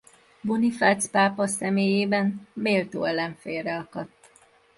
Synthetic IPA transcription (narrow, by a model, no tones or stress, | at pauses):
bunifat̪spaːpɒsɛmeːjeːbɛnmeːlt̪o̰ːɛlːɛɱfeːrɛɒkɒt̪ː